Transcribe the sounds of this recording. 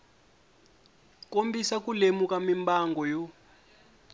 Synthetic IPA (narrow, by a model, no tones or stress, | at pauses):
kombisak̬ulemuk̬ʼamimbaŋɡɔjo